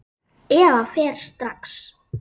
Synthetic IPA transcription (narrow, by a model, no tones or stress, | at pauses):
ɛːvafɛːɾ̥st̪ɾaks